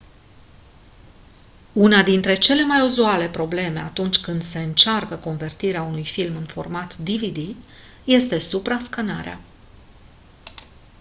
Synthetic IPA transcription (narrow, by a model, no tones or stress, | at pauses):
unad̪int̪ɾe̞t͡ʃe̞le̞majuzuale̞pɾo̞ble̞me̞at̪unt͡ʃʲkɨnd̪se̞ɨnt͡ʃarkəko̞nve̞rt̪iɾeaunujfilmɨnfo̞̰rmat̪d̪ivid̪i | je̞st̪e̞supɾaskanaɾea̰